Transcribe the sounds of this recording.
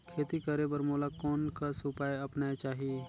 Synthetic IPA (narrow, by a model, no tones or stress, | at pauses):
kʰeːt̪ikəɾebəɾmoːlakɔːnkasʊpaːjɐpnat͡ʃaːɦieː